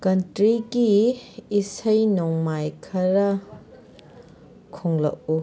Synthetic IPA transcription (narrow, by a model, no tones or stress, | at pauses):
kɐntɾiɡiː | sɐjnoŋmajkʰɐɾɐ | kʰoŋlɐ̰k̚u